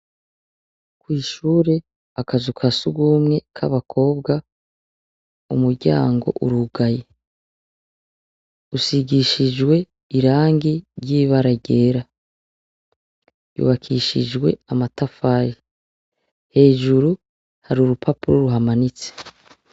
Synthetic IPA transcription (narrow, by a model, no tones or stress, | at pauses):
kwiːʃuːɾe̞ | akazukʰasuɡuːmŋe̞kʰaβakʰo̞ːbɡa | ṵmuɾɟa̰ːŋɡo̞̰ʔṵɾuɡaje̞ | usiɡiʃid͡ʒwe̞ | iɾaːŋɡiɾɟiːβaɾaɟe̞ːɾa | jṵβakʰiʃḭd͡ʒɡwe̞̰amatafaːɾi | he̞ːʒuɾu | haɾuɾupʰapuɾoɾuɦamanit͡se̥